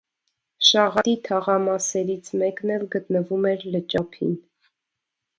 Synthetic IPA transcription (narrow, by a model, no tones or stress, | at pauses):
ʃɑʁɑt̪it̪ʰɑʁɑmɑsɛɾit͡sʰmɛknɛlɡət̪nəvumɛɾlət͡ʃɑpʰḭn